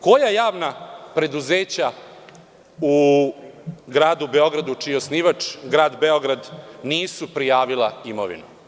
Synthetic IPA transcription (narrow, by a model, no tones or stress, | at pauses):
ko̞jajaːʋnapɾe̞d̪uzeːt͡ɕa | u | ɡɾaːd̪ube̞o̞ɡɾad̪ut͡ʂijeosniːʋat͡ʂɡɾaːd̪beo̞ɡɾad̪niːsupɾijaːʋilˠaimo̰ʋḭnu